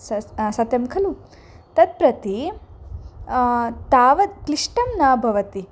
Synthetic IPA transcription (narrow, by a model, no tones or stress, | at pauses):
sɐsɐt̪jɐmkʰɐlu | t̪ɐd̪̚pɾɐt̪i | t̪aːʋɐd̪kliʂʈɐmnaːbʱɐʋɐt̪i